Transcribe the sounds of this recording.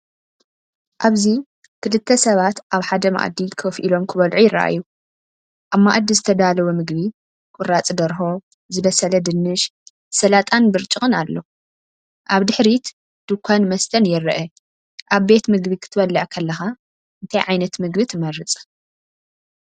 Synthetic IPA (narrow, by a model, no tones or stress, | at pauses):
ʔaβzi | kʰɨlɨt̪ʰːɐsɐβat̪ʔaβħad̪ɐma̰ʔd̪ikʰofʔilo̞mkʰɨβɐlʕujɪrːɐ̰ʔa̰jːu | ʔaβma̰ʔd̪izɨt̪ʰɐd̪alɐwumɨɡβi | kʼʊrat͡sʼd̪ɐɾɦo̞ | zɨβɐsɐlɐd̪ɨnːɨʃ | sɐlat̪ʼanbɨɾt͡ʃʼɨxʼɨnalːo̞ | ʔaβd̪ɨħɾit̪ | d̪̥ɨkʷʰːanmɐst̪ʰɐnjɛrɐʔɐ | ʔaβbe̞t̪mɨɡβikʰɨ̥t̪ʰɨβɐlːɨʕkʰɐlːɐxa | ʔɨnt̪ʰajʕajnɐt̪mɨɡbit̪ʰɨmɐrɨt͡sʼ